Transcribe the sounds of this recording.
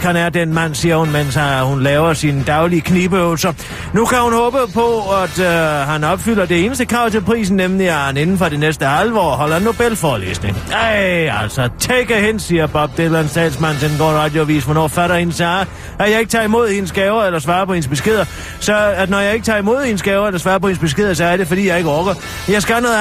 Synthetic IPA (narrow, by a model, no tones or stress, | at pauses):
hænæɐd̥enmæn̰siːɐhunmenshunlɛːʊɐsind̥ɑ̈ʊliəkʰniːb̥əøʊlsɐ | nukʰæhunhɔ̽ːb̥əpʰɒ̽æd̥ɦænɒ̽b̥fyl̰ɐd̥e̝e̝ːnəsd̥əkʰʁɑ̈ʊ̰t͡sʰe̝lpʰʁḭːs̬n̩ːemliæɐhæne̝nn̩fɒ̽ɾ̥enesd̥əælʋɒ̰ːɦɒ̽l̰ɐenːo̝b̥elfɒːle̝̰ːsne̝ŋ | æl̰sɒt͡sʰeɡ̥ɐhen̰siːɐb̥ɒ̽b̥̚d̥elænsdʰɛ̰ːlsmæn̰senɡ̥ɒ̰ːdʁɑd̥joʋḭːsʋɒnɒ̰ːfæɾɐhenəsɑ̈ː | æjɑ̈e̝ɡ̥ət͡sʰɑ̈imo̝ð̞̰ˠhenəsɡ̥ɛːʊɐelɐsʋɑ̈ːpʰɒ̽he̝nsb̥e̝sɡ̥e̝ð̰ˠɐ | sɒ̽ænɒjɑ̈ɪe̝ɡ̥ə̥t͡sʰɑ̈ːimo̝ð̞̰ˠhe̝nəsɡ̥ɛːʊɐelɐsʋɑ̈ːɐpʰɒ̽he̝nsb̥e̝sɡ̥e̝ð̞̰ˠɐs̬ɒ̽æɐɾ̥e̝fɒ̽d̥ḭːjɑ̈ɪe̝ɡ̥əʁɔɡ̥ɐ | jɑ̈ɪsɡ̥ænoðˠ